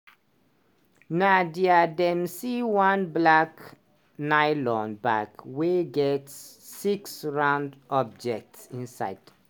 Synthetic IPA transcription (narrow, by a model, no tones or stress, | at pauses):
nadiadɛ̃msiwãnblak | naɪlɔ̃nbakweɡɛtsː | iksɹãʊ̃ndɔb̚d͡ʒɛk̚tsĩnsa̰ɪd̥